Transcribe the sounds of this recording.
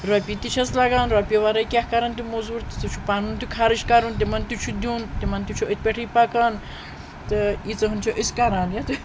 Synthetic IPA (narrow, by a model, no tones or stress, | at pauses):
ɾopʲit̪iʃʰɐslɐɡaːnɾɐpʲiʋaɾɐjkʲahkɐɾɐnt̪umozuɾt̪it͡s̪ut͡ʃʰupaːnunt̪ukʰaɾiʃkɐɾunt̪imɐnt̪ut͡ʃʰud̪ʲuːnt̪imɐnt̪ut͡ʃʰoit̪̚ʰpʲeʈʰiːpɐkɐːn | t̪ɨit͡sɐɦunt͡ʃʰoʔiskɐɾaːnjɐt̪u